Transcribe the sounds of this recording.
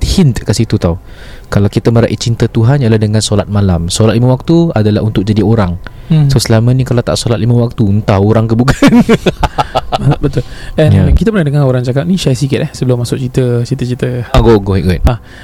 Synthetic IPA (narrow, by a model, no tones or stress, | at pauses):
hint̪kaʔsit̪ut̪aw | kalawkit̪əməɾaʔit͡ʃint̪ət̪uɦanjlahdəŋãnsolat̪̚malamsolat̪̚limãwak̚t̪uadala̰ɦunt̪ʊk̚d͡ʒadioɾaŋ | sosəlamãnĩkalawt̪a̰ʔsolat̪limãwak̚t̪unt̪awoɾaŋkəbuɡan | bət̪ʊlɛnjakit̪əpənadəŋaoɾaŋd͡ʒakap̚nĩʃajsikɪt̪̚ɛhsəbəlʊmːasʊk̚t͡ʃit̪ət͡ʃit̪ət͡ʃit̪əaɡoɡoɦit̪ɡɔit̪̚a